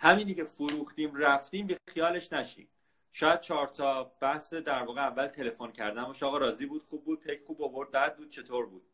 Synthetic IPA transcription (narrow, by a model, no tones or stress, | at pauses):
hæmiːnicʰefoɾuːxt̪iːmræft̪iːmbexijɒːle̞ʃnæʃḭːm | ʃɒːjæd̪̥̚t͡ʃʰɒːɾt̪ʰɒːb̥æhsed̪æɾvɒːɣeævːælt̪ʰe̞le̞foncʰæɾd̪ænmbɒːʃɒːɣɒɾɒːziːbuːd̪χuːb̚ːuːd̪̚pʰejkχuːbovo̞ɾd̪̚bæd̪̚buːd̪̚t͡ʃʰe̞t̪ʰoɾbuːd̪̥